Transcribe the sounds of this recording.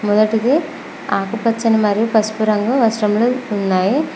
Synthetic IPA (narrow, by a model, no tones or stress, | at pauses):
mɔd̪ɐʈid̪e | aːkupɐt͡ʃːɐnimɐɾijupɐspuɾɐŋɡɐʋɐsʈɐmluunːaːji